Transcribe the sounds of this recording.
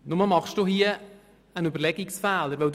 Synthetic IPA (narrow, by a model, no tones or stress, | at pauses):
nʊməmɑχʃd̥uhiə | ənybəɾlɛɡɪksfæːləɾʋɛld